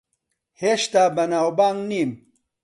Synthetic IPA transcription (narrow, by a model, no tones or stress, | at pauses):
heɕt̪aːbɐnaːwbaːŋnim